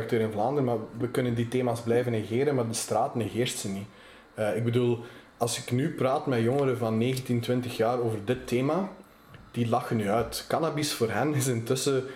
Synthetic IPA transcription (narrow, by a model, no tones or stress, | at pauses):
k̚tøːɾɪnvlaːndərmaːrʋəkɵnənditeːmaːzblɛjvəneɣeːɾənmaːrdəstraːtəneɣɪːrstsəni | əɪɡ̚bəduːlˠ | ɑlˠsɪknypraːtmɛjɔŋəɾəvɑnːeːɣəntintʋɪntəxjaːroːvərdɪtːeːma | d̥ilɑxənyœɥtkɑnabisfoːrɦɛnɪsɪntɵsə